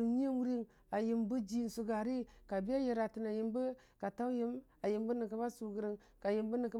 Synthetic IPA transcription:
ɲ˦e˦mu˦ɾi˦ŋ | a˨ji˨mbu˦d͡ʒi˦˨n˨su˨ɡa˨ɾi˦ka˨bi˦a˦ji˨ɾa˨ti˨na˨ji˨mbə˦ | ka˨ta˦wji˦ma˨ji˨mbə˦ni˨ka˦ba˦su˨ɡə˨ɾi˨ŋ | ka˨ji˨mbə˦ni˨kə˦

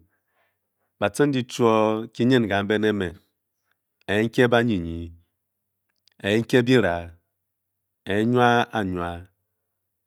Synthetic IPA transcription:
ba˨te˦n˦di˦t͡ʃu˦ɔ˦ki˦ɲe˦n˨ɡa˨m̩˦be˦ne˦me˨ | e˨je˦ŋ̩˦ke˦ba˦ɲi˨ɲi˨ | e˨je˦ŋ̩˦ke˦bi˦ɾa˨ | e˨je˦ɲwa˦a˨ɲwa˦

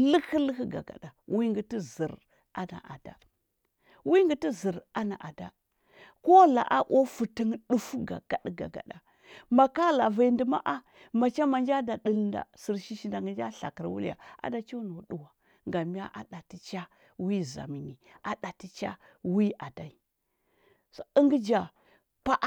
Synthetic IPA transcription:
lə˦kə˦lə˦kə˦ɡa̰˨ɡa̰˨ɗa˨wi˦ŋɡə˨ti˦zi˨ɾ | a˦na̰˨ʔa̰˨da̰˨ | wi˦ŋɡə˨ti˦zi˨ɾa˦na˨ʔa˨da˦ | ko˦la̰˨ʔa˦ʔo˦fu˨tə˦ŋɗu˦fu˦ɡa̰˨ɡ̥a˨ɗɡa̰˨ɡa̰˨ɗa˨ | ma˨ka˦la˨va˨˦ndə˨ma̰˦ʔa˦ | ma˨t͡ʃa˦ma˨nd͡ʒa˦da˨ɗə˦˨lnda̰˨si˨ɾʃi˦ʃi˨nda˨ŋɡə˨nd͡ʒa˦ɬa̰˨kə˨ɾwu˦ja̰˨a̰˨da˨t͡ʃo˦no˨ɗu˨wa˨ | ŋ˨ɡa˨mi˦ja̰˦ʔa̰˨ɗa˨ti˨t͡ʃa˦ | wi˦za̰˨mi˨ni˨ʔa˨ɗa˨ti˦t͡ʃa̰˦ | wi˦ʔa˨da˨i˨ | ə˦ŋɡə˦d͡ʒa˨ | pa˦ʔ

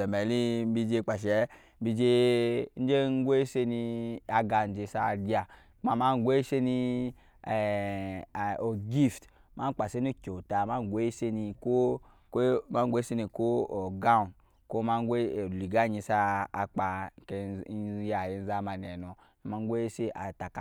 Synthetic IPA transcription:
ɛ˨mɛ˨li˦m̩˦bi˧d͡ʒe˧˦k͡pa˨ʃ̬ɛ˨˦ | m̩˦bi˧d͡ʒe˧n̩˦d͡ʒe˦ŋ˦ɡʷe˦se˧ni˧a˨ɡa˧˨n˨d͡ʒe˧sa˦˨di˦a˨˦ | a˨ma˦ŋ˦ɡʷe˦ʃe˦ni˧˨ | o˨ɡi˦˨ft | ma˦k͡pa˨se˦n˦o˦kʲo˨ta˨ma˦ŋ˦ɡʷe˦se˦ni˧ko˦ | kma˦ŋ˦ɡʷe˦se˦ni˧ko˦o˨ɡa˦u˨n | ko˦ma˦ŋ˦ɡʷe˦˨li˨ɡa˦˨ɲi˧sa̰ː˦˧k͡pa˨ke˨˦ja˨ji˦n̩˦za˦ma˨n˨ɛ˨nɔ˨ | a˨ma˦ŋ˦ɡʷe˦e˦se˦ʔa̰˨ta˨k

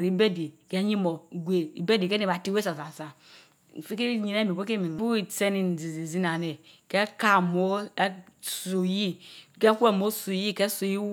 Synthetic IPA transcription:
ɾi˨˦be˦di˨ke˦ɲi˦mo˨ɡʷe˨i˨be˦di˨ke˦ni˨ba˨ti˦we˦sa˨sa˨sa˨ | fi˦ke˦ɲi˨ne˦mi˨bo˦ke˦mi˨˦bu˦i˨se˦ni˨n˨zi˨zi˨zi˦na˨ne˨kɛ˦ka˦mo˦ | su˨ji˦ke˦ku˦e˦˨mo˦su˨ji˦kɛ˦so˨ji˦

